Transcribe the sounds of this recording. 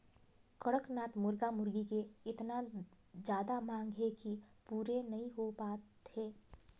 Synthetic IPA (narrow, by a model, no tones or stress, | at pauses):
kəɽəknaːt̪mʊɾɡamʊɾɡikeɪt̪na | d͡ʒjaːd̪amãːŋɡʱɦekipuːɾenɐɦĩɦopaːt̪ʰeː